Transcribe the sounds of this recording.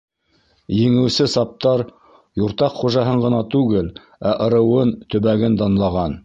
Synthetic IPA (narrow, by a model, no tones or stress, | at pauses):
jɘ̆ŋɘ̆wsɘsɑp̚t̪ɑɾ | juɾt̪ɑqχuʒɑɦɤɴʁɤ̆nɑt̪ʉɡɘl | æʔɤ̆ɾɤ̆wɤnt̪ɵ̆βæɡɘnd̪ɑnlˠɑʁɑn